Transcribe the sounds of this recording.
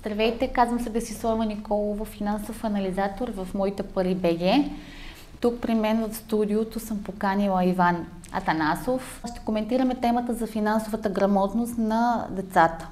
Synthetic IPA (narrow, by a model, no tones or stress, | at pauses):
st̪ɾvɛjt̪ɛkazvɐmsɛd̪ɐsislˠavɐnikɔlˠovofinansofɐnɐlizat̪oɾvɐfmɔit̪ɛpɐɾibɛɡʲɛ | t̪uk̚pɾimɛnvəfst̪ud̪iot̪osɤmpokanilˠɐivan | ɐ̰t̪ɐnasof | ʃt̪ɛ̥komɛnt̪iɾɐmɛt̪ɛmət̪əzɐfinansovət̪əɡɾɐmɔt̪nost̪nɐd̪ɛt̪sat̪ə̥